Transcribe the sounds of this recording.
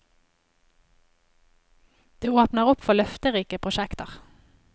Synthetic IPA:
d̪̥eːoːpnəʁʊpfɔlœft̪əʁiːkəpʰʁʊʃɛkt̪əʁ

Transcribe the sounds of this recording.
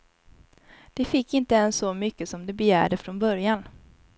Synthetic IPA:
d̪̥ɛfɪkːɪnt̪əɛnsːɔmʏkːəsɔmd̪ɛbɛjæ̰ːɖəfɾɔnbœɾjan

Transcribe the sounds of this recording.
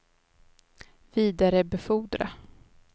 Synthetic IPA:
v̥iːd̪aɾəbɛfuːd̪ɾa̰

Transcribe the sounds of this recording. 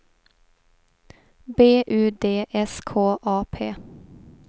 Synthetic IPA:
beːʔʉːd̪eːʔɛskʰoːʔɑːpʰeː

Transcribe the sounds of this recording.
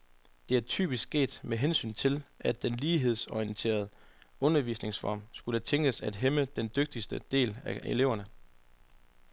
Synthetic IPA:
d̥e̝æɐt͡sʰy̰ːb̥isɡ̥ɡe̝̰ːd̥meɦensy̰ːnt͡sʰe̝lʔæd̥ːenliːɦe̝ð̞̰ˠsɒint͡sʰe̝̰ːɐð̞̩ˠɔ̽nɐʋḭːsne̝ŋsfɒ̰ːmsɡ̥ulət͡sʰeŋ̰ɡ̥əsæd̥ɦeməd̥end̥øɡ̥̚d̥isd̥əd̥e̝̰ːlæe̝le̝ʊ̰ɐnə

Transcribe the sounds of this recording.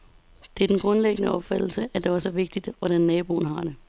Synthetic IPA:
d̥e̝æd̥enɡ̥ʁɔ̽nleɡ̥ənəɒ̽b̥fæd̥l̩səʔæd̥e̝ʋɑ̈sɒ̽ʋe̝ɡ̥̚d̥id̥ʋɒɾ̥ænːɛːb̥o̝̰ːn̩ɦɑ̈d̥e̝

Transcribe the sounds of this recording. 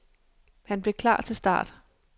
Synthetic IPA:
hænb̥le̝kʰlɑ̰̈ːt͡sʰe̝sd̥ɑ̰̈ːd̥

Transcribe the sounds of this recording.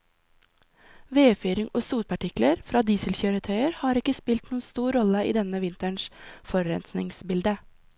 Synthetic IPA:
ʋeːfyːɾɪŋoːsuːt̪̚pʰɑʈɪkləɾfɾɑːd̪iːsəlçœːɾət̪ʰœʏəɾhɑːɾɪkəspɪlt̪nuːənst̪uːɾɔləḭːd̪ɛnəʋɪnt̪əɳʃfɔɾɛ̰nsnɪ̰ŋsbɪld̪ə

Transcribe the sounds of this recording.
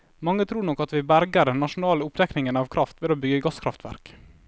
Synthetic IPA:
mɑŋːət̪ʰɾuːɾɳɔkːɑt̪ʋɪbæɾɡəɾɖɛnːɑʃʊnɑːləʊpd̪ɛknɪŋənɑːʋkʰɾʔɑft̪ʋɪloːbʏɡəɡɑskʰɾɑft̪ʰʋæ̰ɾk

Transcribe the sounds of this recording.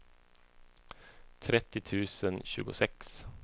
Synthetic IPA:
t̪ʰɾɛt̪ːɪt̪ʰʉːsənɕʉ̰ːɡʊsɛks

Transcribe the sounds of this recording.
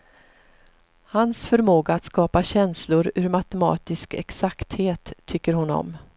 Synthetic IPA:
hansfœɾmoːɡaːt̪skɑːpaɕɛnslʊɾʉːɾmat̪ɛmɑ̰ːt̪ɪskɛ̰ksakt̪heːt̪ʰːʏkːəɾhʊnɔ̰m

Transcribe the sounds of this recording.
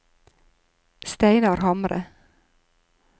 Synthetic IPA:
st̪æɪnɑɾhɑmɾə̰

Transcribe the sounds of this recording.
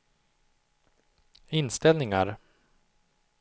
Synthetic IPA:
ɪnst̪ɛlnɪŋa̰ɾ

